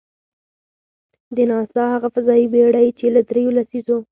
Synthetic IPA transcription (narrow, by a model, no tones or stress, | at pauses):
d̪ənɑsɑhaɣafazɑibeɽajt͡ʃelad̪ɾejolasizo